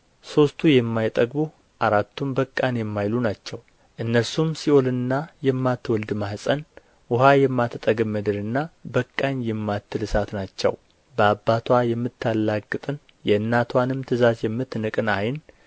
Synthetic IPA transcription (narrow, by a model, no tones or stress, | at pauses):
so̞st̪ʰujɛmːajt̪ʼəɡbu | ʔaɾat̪ʰːumbəkʼːanjɛmːajlunat͡ʃːɛw | ʔɨnːəɾsumsio̞lɨnɨnːajɛmːat̪ːwɔld̪mahsʼən | wʊɦajɛmːat̪ʰt̪ʼəɡəmːəd̪ɨɾɨnːabəkʼːanjɛmːat̪ːɨlɨsat̪nat͡ʃːɛ̰w | bəabːat̪ʰwajɛmːɨt̪ːalːakʼːɨt̪ʼɨn | jɛɨnːat̪ʰwanɨmt̪ʰɨzazjɛmːɨt̪ːnɨkʼɨnajn